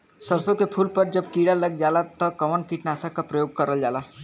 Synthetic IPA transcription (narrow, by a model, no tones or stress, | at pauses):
sɐɾsõkepʰuːlpɐɾd͡ʒɐbkiːɽalɐɡ̚d͡ʒaːlat̪ɐkɐʋənkiʈnaːsakapɾɐjoːɡ̚kɐɾəld͡ʒaːlaː